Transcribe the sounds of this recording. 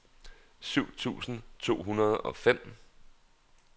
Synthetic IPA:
syʊ̰t͡sʰṵːsn̩t͡sʰo̝̰ːɦunɐð̞̩ˠɒ̽fem̰

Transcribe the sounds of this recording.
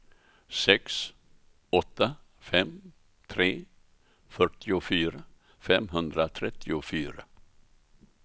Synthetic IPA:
sɛks | ɔt̪ːa | fɛm | t̪ʰɾeː | fœʈɪʊfyːɾa | fɛmɦɵnd̪ɾat̪ʰɾɛt̪ʰːɪʊfyːɾa

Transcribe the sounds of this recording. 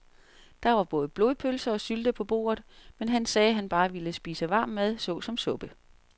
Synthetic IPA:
d̥ɑ̈ʋɑ̈b̥ɔ̽ːð̩ˠb̥lo̝ːðˠpʰølsɐɒ̽syld̥əpʰɒ̽b̥o̝̰ːɐð̩ˠmenɦænsɛːæɦænb̥ɑ̈ːʋiləsb̥ḭːsəʋɑ̈ːmːæðˠsɔ̽ːsɒ̽msɔ̽b̥ə

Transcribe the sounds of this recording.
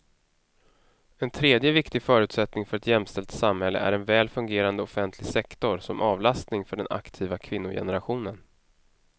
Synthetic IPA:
ɛnt̪ʰɾeːd̪jəvɪkt̪ɪɡfœːɾʉ̟ːt̪sɛt̪nɪŋfœɾɛt̪jɛmst̪ɛlt̪samhɛlːə̰ʔæ̰ɾɛnvɛːlfɵŋɡeːɾand̪əɔfɛnt̪ʰlɪɡsɛkt̪ɔɾsɔmʔɑːvlast̪nɪŋfœɖɛnʔa̰kt̪ʰiːvakʰvɪnːʊjɛ̰nəɾaɧuːnən

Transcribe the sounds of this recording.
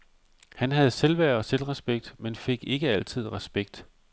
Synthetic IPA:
hænɦæð̩ˠselʋæɐ̰ɒ̽selʁɛsb̥eɡ̥̚d̥menfe̝ɡ̥e̝ɡ̥əæl̰t͡sʰið̞̰ˠʁɛsb̥eɡ̥̚d̥

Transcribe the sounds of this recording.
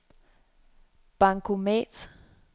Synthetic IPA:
b̥äŋkʰomḛd̥

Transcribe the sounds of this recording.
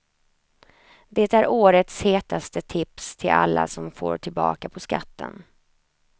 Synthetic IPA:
d̪eːt̪æɾʔoːɾət̪sheːt̪ast̪ət̪ʰɪpst̪ʰɪlʔa̰lːa̰sɔmfo̰ːʈʰɪlbɑ̰ːkapʰɔskat̪ːə̰n

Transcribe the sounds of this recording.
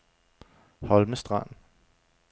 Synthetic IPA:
hɒ̽lməsd̥ʁɑn̰n

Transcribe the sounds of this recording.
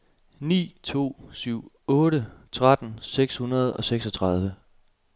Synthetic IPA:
nḭːt͡sʰo̝̰ːsyʊ̰ | ɔ̽ːɾət͡sʰʁad̥n̩seɡ̥shunɐð̞ˠɒ̽seɡ̥sɒ̽t͡sʰʁɑð̞ˠʋə

